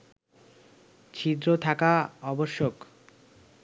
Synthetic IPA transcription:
t͡ɕʰid̪ɾot̪ʰakaɔboʃːok

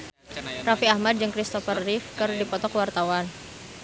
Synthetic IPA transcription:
rafiahmad̚d͡ʒɨŋkɾist̪ɔfərːifkɨrdipɔt̪ɔkwart̪awan

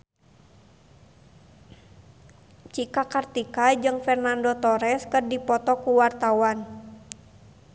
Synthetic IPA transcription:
t͡ʃikakart̪ikad͡ʒɨŋfɛrnandot̪ɔɾɛskərdipɔt̪ɔkuwart̪awan

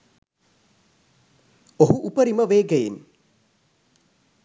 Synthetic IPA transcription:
oɦuʔupəɾiməʋeːɡejen

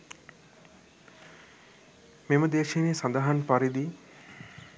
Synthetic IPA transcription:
meməd̪eːʃeneːsand̪aɦanpaɾid̪i

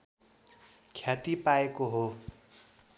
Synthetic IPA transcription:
kʰjat̪ipaekoɦo

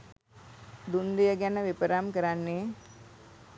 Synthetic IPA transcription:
d̪und̪ijəɡænəʋipəɾamkəɾanːe

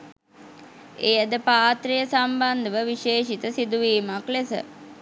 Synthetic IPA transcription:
ejəd̪əpaːt̪rijəsamband̪əʋəʋiʃeːʃit̪əsid̪uʋiːmaklesə̰

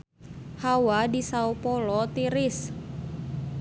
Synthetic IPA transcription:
hawadisaupɔlɔt̪iɾis

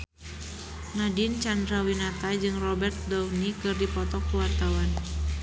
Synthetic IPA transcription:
nadint͡ʃandɾawinat̪ad͡ʒɨŋrɔbɛrt̪̚dawnikɨrdipɔt̪ɔkːuwart̪awan

